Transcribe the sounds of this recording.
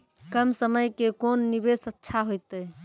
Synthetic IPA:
kəmsəməjkekonːibesətːʃʰaɦojt̪ə

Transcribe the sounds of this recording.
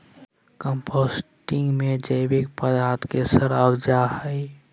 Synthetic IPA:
kə̃mpʰoːsʈɪ̃ŋɡmed͡ʒəɪbik̚pəd̪aːt̪kesəɾawd͡ʒahəɪ

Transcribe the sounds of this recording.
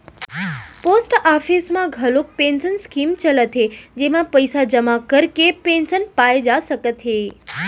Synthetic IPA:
posʈafʰismãɡʱəlok̚pensənskimt͡ʃələt̪ʰɦed͡ʒemãpəjsad͡ʒəmakəɾkepensənpaed͡ʒaʃəkət̪ʰɦe

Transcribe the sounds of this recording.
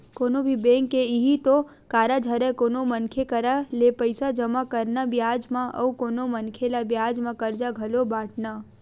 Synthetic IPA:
koːnobʱibẽŋkːeiɦit̪o | kaːɾad͡ʒʱəɾɛkoːnomənkʰekəɾalepəɪsad͡ʒəmakəɾnabjaːd͡ʒmãʔə̰ukoːnomənkʰelabjaːd͡ʒmãkəɾd͡ʒaɡʱəlobaːʈʰna

